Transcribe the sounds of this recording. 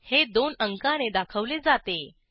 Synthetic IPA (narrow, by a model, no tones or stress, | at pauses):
hed̪onəŋkañed̪akʰəʋled͡zat̪e